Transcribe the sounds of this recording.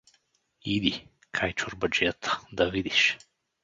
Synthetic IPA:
id̪i | kʰajt͡ʃʊɾbɐd͡ʒɛt̪ə̥d̪ɐvid̪iʃ

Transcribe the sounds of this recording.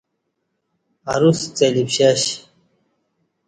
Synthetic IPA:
a̰ɾust͡selipɕaɕ

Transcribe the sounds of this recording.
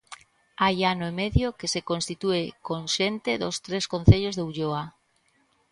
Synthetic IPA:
ajanoemeðjokesekonst̪it̪uekonʃent̪eðost̪ɾeskon̟θeʎozðeuʎoa

